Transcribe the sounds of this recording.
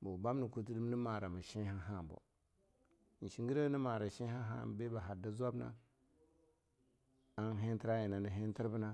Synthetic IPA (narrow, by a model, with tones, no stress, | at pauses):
bo˨ba˦m˦ni˨ku˦ti˦di˦m˦ni˦ma˨ɾa˨ma˨ʃi˦ha˦ɦa˦˨bo̰˨ | n̩˨ʃi˨ŋɡi˦ɾa˦ni˦ma˨ɾa˨ʃi˦ha˦ɦa̰˦be˦ba˨ɦa˨da˦za˦bna̰˦ | a˦nɦe˦nti˦ɾa˦ji˨na˨ni˨ɦe˦n˦ti˦ɾbu˦na˦